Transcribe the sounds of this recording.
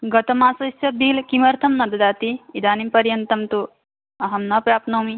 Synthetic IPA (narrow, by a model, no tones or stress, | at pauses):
ɡɐt̪ɐmaːsɐsɐbiːlkimɐɾt̪ʰɐmnɐd̪ɐd̪aːt̪iid̪aːnimpɐɾjɐnt̪ɐmt̪u | ɐɦɐmnɐpɾaːpnoːmi